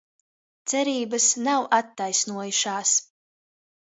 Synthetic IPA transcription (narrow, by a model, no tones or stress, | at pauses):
t̪sɛɾiːbəsnawʔat̪ːajsnuɔjuʃaːs